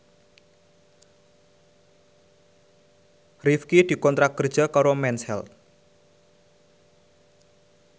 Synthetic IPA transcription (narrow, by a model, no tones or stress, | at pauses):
rifkid̪̥i̤kɔnt̪ɾakərdʒ̥ə̤kaɾomɛnshɛ̰l̚